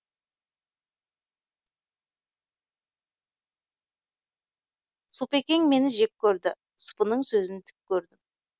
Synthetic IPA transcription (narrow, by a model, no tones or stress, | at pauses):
supe̞kʲe̞ŋme̞nɪʒek̚ʲkʲʰːɵɾd̪ɪ | sʊ̥pənəɴsɵzɪnt̪ʰɪ̥p̚kʲʰɵɾd̪ɪm